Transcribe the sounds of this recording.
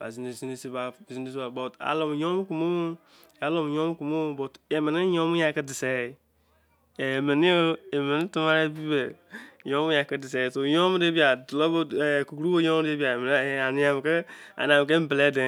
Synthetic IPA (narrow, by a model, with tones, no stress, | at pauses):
ba̰˨zi˨n˨si˦si˦ba˨zi˦n˦i˦si˦ba˨bɔ˨ta̰˨lo˨m˨jɔ̃˦m˦ku˨mo˦ | a˨˦lo˨m˨ɲɔ̃˦m˦ku˨mo˦bɔ˨te˨mɛ˨ni˦ɲɔ̃˦mu˦ja˨kɨ˦dɨ˨sɛ˨˦˨ | e˨me˨ni˦o˦e˨me˨ni˦tu˦ma˦ɾɛ˦bi˦be˨ɲɔ̃˦mu˦ja˨kɨ˦dɨ˨s̬ɛ˨˦˨so˨jɔ̃˦m˦de˦bi˦a˨dlo˦bo˦˨ku˨ku˨ɾu˦bo˦ɲɔ̃˦m˦de˦bi˦a˨e˨m˨n˦˨a˨nĩ˨˦a˨m˨kɨ˦a̰˨n˨ã˨m˨k̬e˦m˦bɨ˨lɛ˦dɛ˨